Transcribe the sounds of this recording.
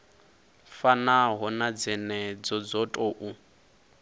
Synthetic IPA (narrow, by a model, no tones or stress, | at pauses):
fanaɦɔnad͡zɛnɛd͡zɔd͡zɔtʼɔʔu